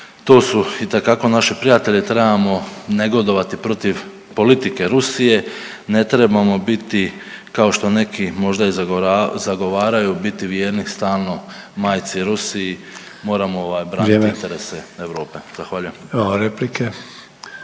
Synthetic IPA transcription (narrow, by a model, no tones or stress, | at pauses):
t̪o̞ːsuit̪e̞kako̞naʃipɾijat̪e̞ʎit̪ɾe̞bamo̞ne̞ɡo̞d̪o̞ʋat̪ipɾo̞t̪iʋ | po̞lit̪ike̞ɾusije̞ | ne̞t̪ɾe̞bamo̞bit̪ikao̞ʃt̪o̞ne̞kʰimo̞ʒd̪aizazaɡo̞ʋaːɾajubit̪iʋjeːɾnist̪aːlˠno̞ | maːjt̪siɾusiː | mo̞ːɾamooʋaːjbɾaːniint̪eɾeseeʋɾo̞ːpe̞z̥axʋaʎujemaɾeplike